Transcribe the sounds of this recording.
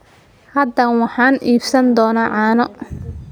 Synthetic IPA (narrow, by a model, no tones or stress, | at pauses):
hɐd̪ɐwɑħɑːniːbsɐnd̪ɔːnaːʕɑːnɔ